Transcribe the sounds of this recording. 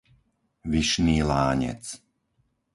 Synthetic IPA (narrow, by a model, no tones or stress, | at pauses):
ʋiʃniːlaːɲɛ̰t͡s